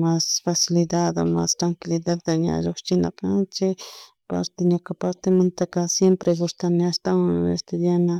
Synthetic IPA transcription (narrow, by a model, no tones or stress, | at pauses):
masfasɪlɪd̪aðoma̰st̪ɾaŋkɪlɪd̪aːaɲa̰ʒoχt͡ʃɪna̰kant͡ʃɪ | pa̰ɾt̪eɲakapaɾt̪emant̪akasjempɾeɣʊst̪anɪast̪awaŋḛst̪ʊd̪jana